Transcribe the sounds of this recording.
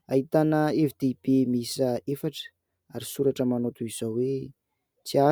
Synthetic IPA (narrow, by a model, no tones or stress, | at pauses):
aɦit̪anəevid̪ib̥emisəefaʈ͡ʂə̥ | aɾisuɾaʈ͡ʂəmanot̪uiz̥owe | t͡sia